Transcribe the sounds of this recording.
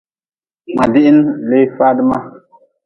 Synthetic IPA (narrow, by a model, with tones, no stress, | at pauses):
ma˨di˦ʔi˦nle˦fa˦dma˦